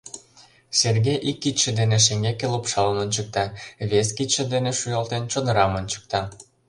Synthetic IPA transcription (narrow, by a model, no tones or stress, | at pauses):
serɣejʔikːit̪ʃĕd̪eneʃ̬eŋɡekelupʃɑlə̆monʲt͡ɕək̚t̪ɑβeskit̪ʃĕd̪eneʃujolt̪ent͡ɕonəɾɑmonʲt͡ɕə̥k̚t̪ɑ